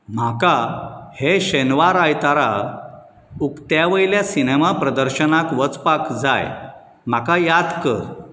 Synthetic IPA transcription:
m̤akaheɕenʋaɾajt̪aɾa | ukt̪jaʋəiljasinemapɾəd̪əɾɕənakʋət͡spakd͡za̰j | m̤akajad̪kə̰ɾ

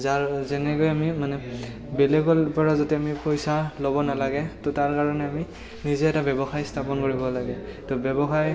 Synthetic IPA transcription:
zaɹzɛnɛkojamimanɛ | belɛɡɔlpɔɹazotɛamipojsalobɔnalaɡɛtɔtaɹkaɹɔnɛami | nizɛɛtabɛbɔxajstʰapɔnkoɹibɔlaɡɛtobɛbɔxaj

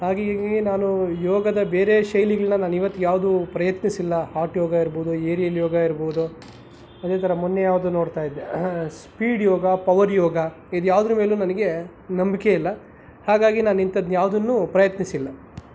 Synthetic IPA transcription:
haːɡeɡinaːnujɔːɡɐd̪ɐbe̞ːɾe̞ʃɐjliɡɐɭnɐnaːnuiʋɐt̪ːuɡjaːʋd̪upɾɐjɐt̪nisilːɐhaːʈjɔːɡɐiɾboud̪ueːɾijɐljɔːɡɐiɾboud̪u | ɐd̪e̞ːt̪ʰɐɾɐmunːejaːʋd̪uno̞ːɽt̪aːjid̪ːespiːɖjɔːɡɐpɐʋɐɾjɔːɡɐ | id̪ujaːʋd̪nume̞ːlunɐnɐɡe̞ | nɐmbikeilːɐ | haːɡaːɡinaːnint̪ɐd̪nujaːʋd̪ɐnːuːpɾɐjɐt̪nisilːɐ

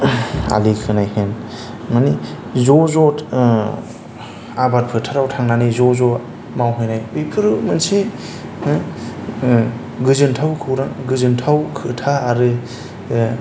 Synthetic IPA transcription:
a̰likʰɯnajhen | mani | zɔzɔt | abat̚pʰɯtʰaɾawtʰaŋnanizɔzɔ | mawɦɯjnajbipʰɯɾɯmɯnse | ɡɯzɯntʰawkʰɯwɾaŋɡɯzɯntʰawkʰɯtʰaːɾɯ

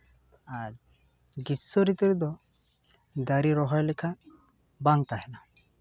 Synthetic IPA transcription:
aɾ | ɡisːɔɾit̪ɔɾid̪ɔ | d̪aɾiɾɔɦɔjlɛkʰa | baŋt̪aɦɛna

